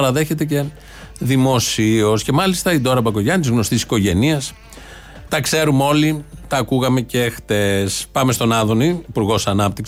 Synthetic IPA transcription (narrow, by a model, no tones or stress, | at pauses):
ɐɾɐðe̞çe̞t̪̬e̞c̬e̞ | ðimo̞sio̞sce̞mɐlist̪ɐid̪o̞ɾɐbɐko̞ʝɐnt̪izɣno̞st̪isi̥ko̞ʝe̞niɐs | t̪ɐkse̞ɾumo̞lit̪ɐːkuɣɐme̞ce̞xt̪e̞spɐmest̪o̞nɐðo̞niːpuɾɣo̞sɐnɐp̚t̪iks